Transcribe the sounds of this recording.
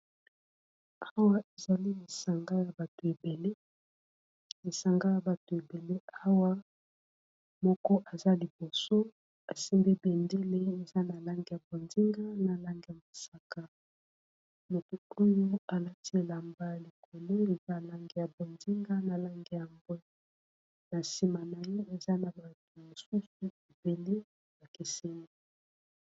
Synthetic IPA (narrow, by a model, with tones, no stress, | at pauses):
a˦wa˦e˨za˨li˦li˨sa˨ŋɡa˦ja˨ba˨to˨e˨be˨le˦ | e˨sa˨ŋɡa˦ja˨ba˨to˨e˨be˨le˦a˦wa˦ | mɔ˦kɔ˦ʔa˨za˦li˨b̥o˨so˦ | a˨si˦mbe˦be˨nde˦le˦e˨za˦na˨la˦ŋɡi˨ja˨bo˨ndi˦ŋɡa˦na˨la˦ŋɡe˨ja˨bo˨sa˨ka˨ | mo˨ti˨o˦jo˦a˨la˦ti˦e˨la˨mba˦li˨kʰo˨lo˦e˨za˦˨la˦ŋɡe˨ja˨bo˨ndi˦ŋɡa˦na˨la˦ŋɡe˦˨ja˨mbwɛ˦ | na˨si˨ma˨na˨je˦e˨za˦na˨ba˨mo˨su˦su˦e˨b̥e˨le˦ | na˨ke˨se˦ŋi˦